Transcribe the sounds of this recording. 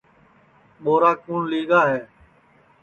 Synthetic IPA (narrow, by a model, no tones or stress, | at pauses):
ɓoːɾaːkuːɳliːɡaːɦɛː